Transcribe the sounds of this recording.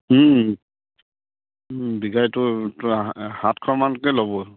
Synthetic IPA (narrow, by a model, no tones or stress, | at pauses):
biɡajtʊthatkʰɔmankɛlɔbɔ